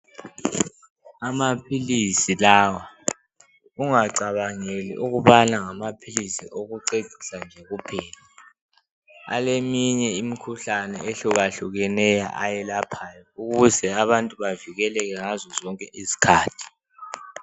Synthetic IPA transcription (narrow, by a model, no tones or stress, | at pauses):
amapʰilisilaːwa | uŋaǀaβaŋelḭʔuɣuβanaŋamapʰilisḭʔoɣuǀed̥ʱi̥sand͡ʒʱɛɣupʰɛːla | a̰lemiɲɛimikʰuɬanɛ̰eɬuɣaɬuɣɛnɛja̰ʔajɛlapʰajɔuɣuzɛaβantʼuβaviɣɛlɛɣ̬ɛŋazɔzɔŋkʼɛʔizi̥kʰaːtʰi̥